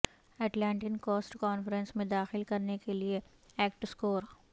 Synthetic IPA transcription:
ɛːʈlɛ̃ːɳʈɪnkoːsʈkɔːnfəɾɛ̃nsmẽd̪aːxɪlkɐɾnekelie | ɛːkʈskoːɾ

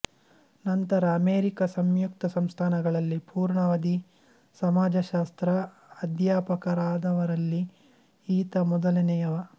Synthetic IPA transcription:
nɐnt̪ɐɾɐːmeːɾikɐsɐmjuk̚t̪ɐsɐmst̪ʰaːnɐɡɐɭɐlːipuːɾɳɐʋɐd̪i | sɐmaːd͡ʒɐʃaːst̪ɾɐː | d̪jaːpɐkɐɾaːd̪ɐʋɐɾɐlːi | iːt̪ɐmɔd̪ɐlɐnɛjɐʋɐ

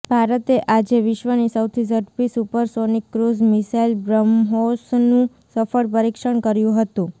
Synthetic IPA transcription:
bʱaɾət̪eʔad͡ʒeʋɪʃʋənisəwt̪ʰisəɾpisupəɾsonikːɾuzmɪsailbɾəmɦosnũ | səfəɭpəɾikʃəɳkəɾjũɦət̪ũ

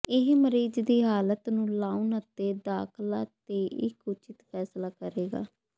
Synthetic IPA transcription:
ɪɦməɾiːd͡ʒd̪iːɦaːlət̪nũːlaːunət̪eːd̪aːkʰlaːt̪eːʔɪkut͡ʃɪt̪pʰɛːslaːkəɾeːɡa̰ː

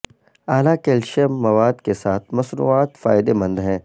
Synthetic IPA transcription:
aːlakeːlʃemːɐʋaːd̪kesaːt̪ʰmɐsɾṵaːt̪fa̰ːɪd̪emɐ̃nd̪ɦɛ̃ː

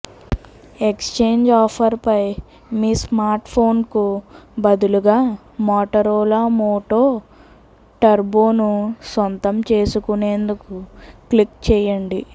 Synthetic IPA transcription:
e̞kst͡ʃe̞ːɲd͡ʒaːpʰɐɾpɐj | miːsmaːɾʈpʰo̞ːnkubɐd̪uluɡaː | mɔːʈɐɾoːlamoːʈoː | ʈɐɾboːnusont̪ɐmt͡ʃe̞ːsukune̞ːnd̪ukuklikt͡ʃɛːjɐɳɖi

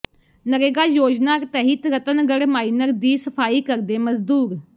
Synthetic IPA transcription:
nəɾeːɡaːjoːd͡ʒnaːɾt̪ɛːɦit̪ɾət̪ənɡəɽmaːiːnəɾd̪iːsəpʰaːiːkəɾd̪eːməzd̪uːɾ

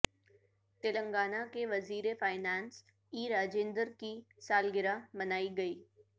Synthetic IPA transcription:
t̪ɪlə̃ŋɡaːnakeʋɐziːɾefaːɪnaːns | iːɾaːd͡ʒẽːnd̪əɾki | saːlɡɪɾamɐnaːiɡɐiː

